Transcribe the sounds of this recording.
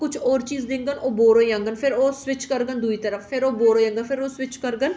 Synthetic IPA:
kʊt͡ʃʰɔːɾt͡ʃiːzd̪ɪ̃ŋɡənoːboːɾoːjə̃ŋɡənpʰɪɾoːswɪt͡ʃkəɾɡənd̪uːiːt̪əɾəfːʰɪɾoːboːɾoːjə̃ŋɡənpʰɪɾoːsʋɪt͡ʃkəɾɡən

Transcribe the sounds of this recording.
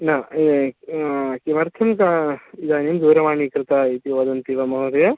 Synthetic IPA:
na | kiʋɐɾt̪ʰɐmkaid̪aːnimd̪uːɾɐmaːɳikɾɪt̪ait̪iʋɐd̪ɐnt̪iʋɐmɐɦɐɾɐjɐ

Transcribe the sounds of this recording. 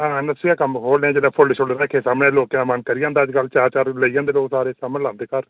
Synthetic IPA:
ɦãːnəsiaːkəmkʰoːlnẽːd͡ʒeːlaːpʰʊlɖʃʰolɾɛːkʰeːsaːmɽeːloːkãmənkəɾijãːnd̪aːəd͡ʒkəlt͡ʃaːɾt͡ʃaːɾləiːãːnd̪eːloːksaːɾeːsaːmlãːnd̪eːkəɾ

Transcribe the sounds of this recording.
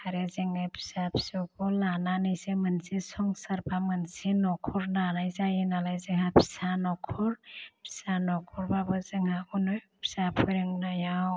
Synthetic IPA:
haɾezeŋapʰi̥sapʰi̥sɔkɔlananɯjsemənsisɔŋsəɾbʰamɯnsinɔkʰɔɾnanajzajinalajzeŋɦapʰi̥sanɔkʰɔɾpʰi̥sanɔkʰɔɾbabɯzeŋhaunɯjpʰi̥sapʰɔɾeŋnajaw

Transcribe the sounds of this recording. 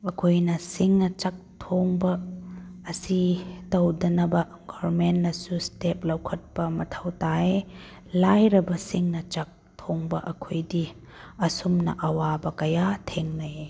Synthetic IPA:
ɐkʰojnɐsiŋnɐt͡ʃɐk̚tʰoŋbɐː | sitɐwdɐnɐbɐ | ɡɔɾmenːɐsustep̚lɐwkʰɐt̚pɐmɐtʰɐwtae | lajɾɐbɐsiŋnɐt͡ʃɐk̚tʰoŋbɐʔɐkʰojdi | ɐsumnɐ̰ʔɐwabɐkɐjatʰeŋnɐ

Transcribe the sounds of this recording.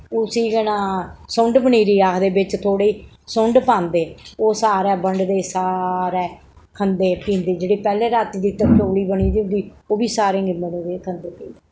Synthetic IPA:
ʊsiːɡənaːsʊɳɖbəɳiːɾiːaːkd̪eːbɪt͡ʃt̪ʰoːɽeiː | sʊɳɖpãːnd̪eːoːsaːɾɛːbəɳɖd̪eːsaːɾɛː | kʰənd̪eːpĩːnd̪eːd͡ʒeːɽeːpɛːlẽːɾaːt̪id̪iːt̪ət̪oːɽiːbəniːd̪iːʊnd̪iː | oːbiːsaːɾẽːŋɡɪməneːd̪eːkʰənd̪eːpĩːnd̪eː

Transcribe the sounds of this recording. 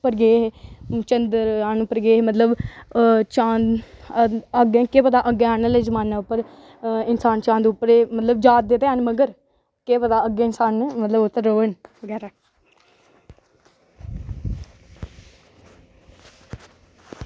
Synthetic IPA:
pəɾɡeːɦt͡ʃənd̪əɾaːnːpəɾɡeːmət̪ləb | t͡ʃãːn | əɡẽːkeːpət̪aːʔəɡẽaːnəlezəmaːnaːʊpːəɾ | ɪnsaːnt͡ʃãːnd̪ʊpːəɾeːmət̪ləb̚d͡ʒaːt̪̚d̪et̪eːaːnməɡəɾ | keːpət̪aːəɡẽːɪnsaːnmət̪ləbʊt̪ːəɾːoːəɳʋəɡɛːɾaː

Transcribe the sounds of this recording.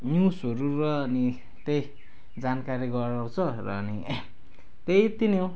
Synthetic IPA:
njusɦʌɾuɾʌʌni | t̪ej | d͡zankaɾiɡʌɾaw̃t͡sʰʌrʌ̰ːni | t̪ejt̪ino

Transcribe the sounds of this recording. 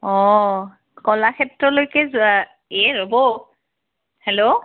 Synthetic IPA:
ɔ | kɔlakʰɛtɹɔlojkɛzʊa | ɛɹobɔ | hɛlo

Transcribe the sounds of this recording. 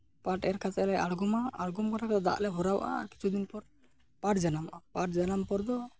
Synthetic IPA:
paʈɛɾkʰat̪ɛlɛʔaɽɡumaːɽɡumkanakd̪a̰ʔlɛɦɔɾawaʔa̰ki̥t͡ʃʰud̪inpɔɾ | paʈd͡ʒanamʔapaʈ̚d͡ʒanampɔɾd̪ɔ

